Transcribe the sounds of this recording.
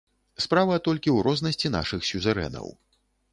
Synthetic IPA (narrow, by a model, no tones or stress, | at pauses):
spɾavɐt̪ɔlʲkʲiwɾɔznɐsʲt͡sʲin̪a̰ʂɨxsʲuzɐɾɛ̰nɐ̰w